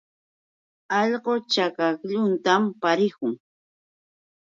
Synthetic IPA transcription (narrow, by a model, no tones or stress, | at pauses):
ɑʎɢot͡ʃakakʎʊnt̪ampaɾɪkʊŋ